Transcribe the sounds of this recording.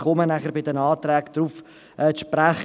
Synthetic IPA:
χɔmənæχəɾbɪdənɑːtrɛːkd̥̪ɾuːf | ʔɛːʃpræχ

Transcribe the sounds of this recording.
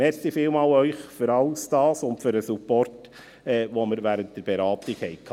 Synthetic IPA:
mɛɾsifiːlmɑːlœʏχfyɾɑlsd̥ɑːsʊntfyɾəsupɔrt | ɛːvoːməɾvæːɾənt̚d̥əɾb̥eɾɑːtɪkhɛɪkʰ

